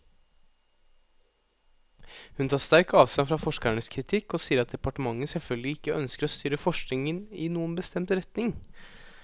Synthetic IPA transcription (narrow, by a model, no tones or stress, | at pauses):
hʉnt̪ʰɑːst̪æɾkɑːʋst̪ɑnfɾɑfɔʂkəɳəskʰɾɪt̪ʰɪkːɔsiːəɾɑt̪̚d̪ɛpɑʈəmɑŋːəsɛlfœlɡlɪɪkːəœnskəɾɔst̪yːɾəfɔʂknɪŋənɪnuːənbəst̪ɛmt̪ɾɛt̪nɪŋ